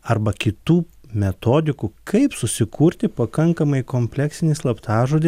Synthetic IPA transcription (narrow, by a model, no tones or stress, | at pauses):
ɐɾbɐkʲɪt̪uː | mʲɛt̪oːd̪ʲɪkuːkʰɐɪpsʊsʲɪkʰuːɾʲt̪ʲɪpɐkɐŋkɐmɐɪkoːmʲpʲlʲɛksʲɪnʲɪslˠɐpt̪ɑːʒoːd̪ʲɪ